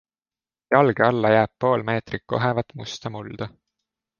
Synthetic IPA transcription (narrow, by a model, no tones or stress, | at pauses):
jɑlɡ̥eɑlːɑjæːb̥̚po̞ːlme̞ːt̪rikːo̞ɦevɑt̪ːˑmust̪ɑmuld̪̥ɑ